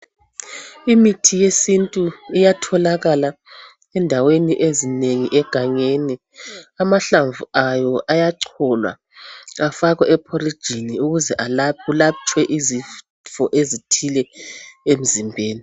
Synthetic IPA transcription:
imitʰijesintʼuijatʰɔlaɣala | ɛndʱaweniʔezineŋiʔɛɡ̥ʱaɲeni | amaɬaɱvuajɔʔajaǀʰɔlwa̰ | afaɣɛʔɛpʰɔrid̥ʒ̥ʱiniuɣuzɛʔalapʰulat͡ʃʼwɛʔizi | fɔʔezitʰilɛem̩zimbʱeːni

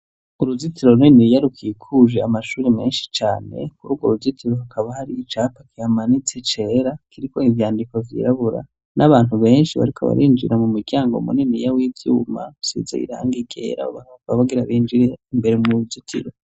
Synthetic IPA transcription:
uɾuzitiɾo̞ɾuninijaɾukʰiːkʰuʒeamaʃuːɾeme̞ːnʃi̥t͡ʃaːne̞̰kuɾuːɡoɾuzitʰiɾohakʰaβahaɾiːt͡ʃaːpḁkihamanit͡set͡ʃe̞ːɾakiɾiko̞ivjaːndiko̞vjḭɾaβuɾa̰ | nʔaβaːn̥uβe̞ːnʃiβa̰ɾikʰoβa̰ɾʔiːnd͡ʒiɾamumuɟaːŋɡomṵninijawiːvjṵːma̰sḭza̰ḭɾa̰ːŋɡiɡḛɾa̰o̰βakaβaɡiɾaβiːnd͡ʒiɾe̞imbe̞ɾemuɾuzitʰḭɾo̞

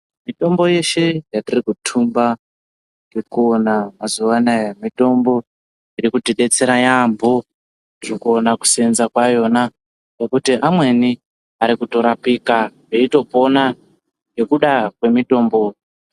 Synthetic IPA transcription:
mito̞mbo̞je̞ʃe̞jatirikutʰumba | jekuonamazuʋanajamito̞mbo̞ | iɾikutiɗe̞t͡se̞ɾajambo | ʐikuonaku̥senzakwajo̞na | nokutiʔamwe̞ni | aɾikuto̞ɾapikaɦeito̞po̞na | je̞kuɗakwe̞mito̞ːmbo̞

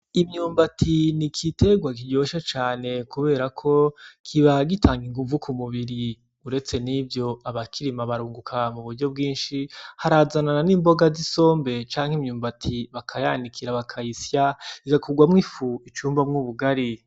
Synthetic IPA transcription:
imɲuːmbatʰinikʰite̞ɡwakiɟo̞ːʃat͡ʃaːne̞kuβe̞ːɾakʰo̞kʰiβaɡitaːŋɡiŋɡuvukʰumuβiɾi | uɾe̞t͡se̞nivɟo̞aβakʰiɾimaβaɾuːŋɡukʰamuβuɾɟo̞b̚ɡiːnʃihaɾazanananimbo̞ɡaziso̞ːmbe̞t͡ʃaːŋhimɲuːmbatʰiβakʰajandikʰiɾaβakʰaisjaikakʰuɡwamŋifuit͡ʃuːmbamŋuːβuɡaɾi

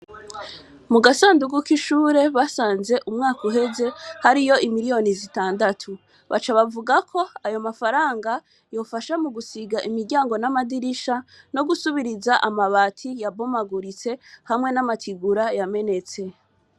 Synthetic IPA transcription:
muɡasaːnduɡukiʃuːɾe̞βasaːnze̞ʔumŋaːkuɦe̞ze̞haɾijo̞imiɾijo̞nizitaːndatʰu | βa̰t͡ʃaβavuɡakʰo̞ajo̞mafaɾaːŋɡa | jo̞ːfaʃamuɡusiɡaʔimiɾɟaːŋɡo̞namadiɾiʃano̞ɡusuβiɾizaʔamaβatʰijabo̞maɡuɾit͡se̞hamŋe̞namatʰiɡuɾajame̞ne̞t͡se̞

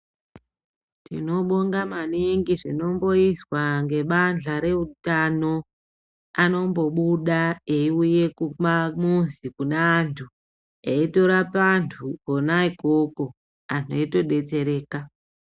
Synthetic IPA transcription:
tḭno̞ɓoŋɡamaniŋɡiʐino̞mbo̞iswaŋɡe̞ɓand͡ɮaɾe̞utano̞ | ano̞mbo̞ɓuɗaeiuje̞kumamunzikunaːntʰu | eito̞ɾapantʰukonaikoko̞ | anʰoito̞ɗe̞t͡se̞ɾe̞ːka

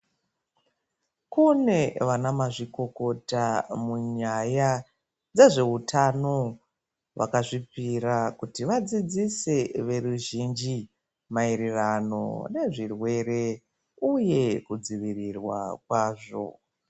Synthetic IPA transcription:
kune̞ʋanamaʐiko̞ko̞tamuɲaja | d͡ze̞ʐe̞utʰano̞ | ʋa̰kaʐipiɾakutiʋad͡zid͡zise̞ʋe̞ruʒind͡ʒi | maiɾirano̞̰ne̞ʐirwe̞re̞ | uje̞kud͡ziʋirirwa̰kwaːʐo̞̰

